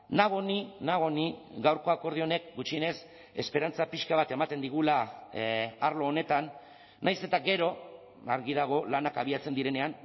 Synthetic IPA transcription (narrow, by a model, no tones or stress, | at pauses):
naɣ̞o̞ninaɣ̞o̞niɣawɾko̞ako̞ɾð̞io̞ne̞k̚ɡut͡ʃiene̞s | e̞̰spe̞ɾant͡sapiʃkaβ̞at̪e̞mat̪e̞nd̪iɣ̞ula | aɾlo̞ːne̞t̪anː | ajse̞t̪aɣe̞ɾo̞ | aɾɣið̞aɣ̞o̞lanakaβ̞iat͡se̞nd̪iɾe̞ne̞an